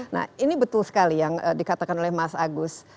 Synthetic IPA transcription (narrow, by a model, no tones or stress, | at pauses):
na̰inibət̪ʊlsə̥kalijaŋədikat̪akanolɛhmasaɡʊs